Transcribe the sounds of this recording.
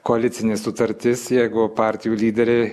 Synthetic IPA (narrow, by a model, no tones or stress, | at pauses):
koɐlʲɪt̪sʲɪnʲɪsʊt̪ɐɾʲt̪ʲɪsjɛɪɡʊpɑːˑɾʲt̪ʲɪjuːlʲiːd̪ʲɛɾʲɛɪ